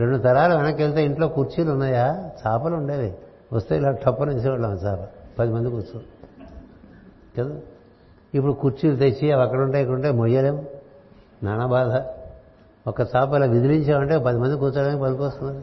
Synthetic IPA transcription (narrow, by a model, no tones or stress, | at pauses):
ɾeɳɖut̪ɐɾaːlɐʋenɐkːelt̪eːiɳʈloːkuɾt͡ʃiːlunːaːjaːt͡ʃaːpɐluɳɖeːd̪i | ʋɐst̪eːilaːʈʰɐpːɐnes̬iʋɐɭːɐmt͡ʃaːpɐpɐd̪imɐnd̪ikuːɾt͡ʃːu | kɐd̪u | ip̬ːuɽukuɾt͡ʃiːlut̪et͡ʃːiɐʋɐkːɐɽuɳʈaːjik̬ːɐɽuɳʈaːmojːɐleːm | naːɳɐbaːd̪ʱɐ | ɔkːɐt͡ʃaːpɐilaːʋid̪iliɲt͡ʃaːmɐɳʈeːpɐd̪imɐnd̪ikut͡ʃːaːɽaːnikipɐd̪kɔst̪unːaːɾ